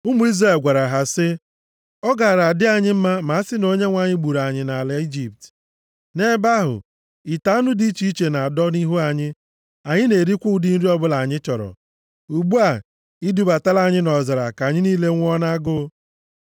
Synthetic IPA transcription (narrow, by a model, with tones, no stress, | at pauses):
ʊ˦mu˦i˦zra˨e˨lɡʷa˨ɾa˨ɦa˨sɪ˦ | ɔ˦ɡa˨ɾa˨a˨dɪ˦a˨ɲɪ˦m̩˦ma˦ma˨a˦sɪ˦no˦ɲe˦ŋʷa˨ɲɪ˦ɡ͡bu˨ɾa˨ɲɪ˨na˨le˦i˦d͡ʒi˨p̚t | ne˦ba˦ɦʊ̰˨ | i˨ta˦nʊ˦di˦i˦t͡ʃi˦i˦t͡ʃe˨na˨a˨dɔ˦ni˦ɦu˦a˨ɲɪ˦ | a˨ɲɪ˦ne˨ɾi˦kʷu˦dɪ˦n̩˦ɾi˦ɔ˦bʊ˦la˨ɲɪ˦t͡ʃɔ˨ɾɔ̰˨ | u˨ɡ͡bu˦a˨ | i˦du˦ba˨ta˦la˦˨ɲɪ˦nɔ˨za˨ɾa˨ka˨ɲɪ˦niː˦le˦ŋʷ˦ɔ˦na˦ɡʊ˦